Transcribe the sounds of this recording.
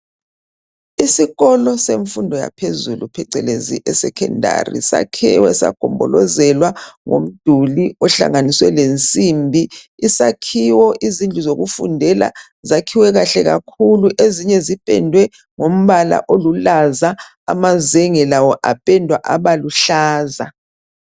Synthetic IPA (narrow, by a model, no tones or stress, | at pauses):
isiɣɔlɔseɱfundʱɔja̰pʰezulupʰɛǀɛlezḭʔɛsɛkʰɛ̰ndʱa̰rḭsa̰kʰɛ̰wɛsa̰ɡ̥ʱɔmbʱɔlɔzɛlwaŋo̰m̩d̥ʱuliɔɬa̰ŋaniswɛ̰lent͡sʼimbʱiisakʰiwɔʔizind͡ɮʱuzoɣufṵndʱɛla̰ | zakʰiwɛɣaɬɛɣakʰuluʔeziɲɛzipʼɛ̰ndʱwɛ | ŋom̩βala̰ʔolulaza | a̰mazɛŋɛlawɔʔapʼɛndʱwaʔaβaluɬaːza̰